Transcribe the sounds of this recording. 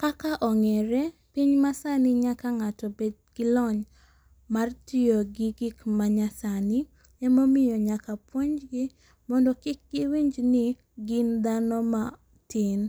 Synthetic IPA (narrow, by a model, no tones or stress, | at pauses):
kakaʔɔŋɛɾɛ | piɲmasanɪɲakaŋatɔbedɡ̥ɪlɔɲ | martɪoɡɪɡɪkmaɲasanɪ | ɛmomɪjɔɲakapwoɲd͡ʒɡɪ | mɔndɔkɪk̚ɡɪwiɲd͡ʒnɪ | ɡɪnd̪anɔma | tɪn